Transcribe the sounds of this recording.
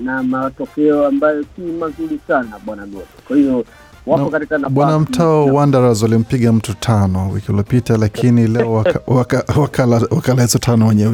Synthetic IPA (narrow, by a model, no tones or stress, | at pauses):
namatɔkɛɔambajɔsimazuɾisanaɓwanaɓɔɡɛkwahiɔ | waaɔkatikanaɓwanam̩tʰaɔwandaɾazɔalim̩piɠam̩tutʰanɔwḭkiulɔpitalakʰinilɛɔwakawakawakalawakalaɛsɔtʰanɔwɛɲɛ